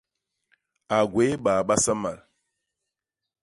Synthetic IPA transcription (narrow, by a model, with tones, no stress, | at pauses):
a˨ɡwe˨˦ɓa˨ɓa˦sa˦ma˨l